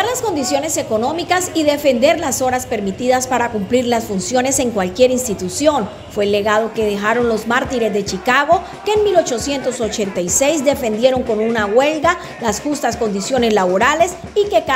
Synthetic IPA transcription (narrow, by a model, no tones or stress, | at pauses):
ɾlasko̞nd̪isjo̞ne̞se̞ko̞no̞mikasiðe̞fe̞nd̪e̞ɾlaso̞ɾaspe̞ɾmit̪iðaspaɾakumpliɾlasfunsjo̞ne̞se̞ŋkwalkje̞ɾinst̪it̪usjo̞n | fwe̞lːe̞ɣað̞o̞ke̞ðe̞xaɾo̞nlo̞zmaɾt̪iɾe̞zðet͡ʃikaɣo̞ | ke̞ːnmilo̞t͡ʃo̞sje̞nt̪o̞so̞t͡ʃe̞nt̪ajse̞jzd̪e̞fe̞nd̪je̞ɾo̞ŋko̞nunaɣwe̞lɡa | lasxust̪asko̞nd̪isjo̞ne̞slaβo̞ɾale̞s | ikek